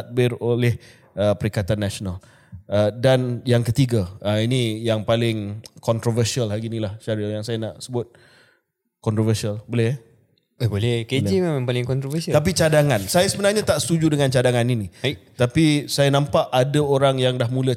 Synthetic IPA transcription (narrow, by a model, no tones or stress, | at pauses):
at̪̚bɪrolɛh | əpəɾikat̪anːasonal | ədanjaŋkət̪iɡaəinijaŋpalɪŋkɔnt̪ɾovərsialɦaɡinilahʃaɾijaŋsajanaʔsəbʊt̪̚ | kɔnt̪ɾovəsialbolɛh | abolɛhked͡ʒimemãŋpalɪŋkɔnt̪ɾovəsiat̪ap̬it͡ʃadaŋãnsajasəbənarɲãt̪aʔsə̥t̪ud͡ʒudəŋant͡ʃadaŋaninit̪apisajanãmpaʔadaoɾaŋjaŋdahmũlə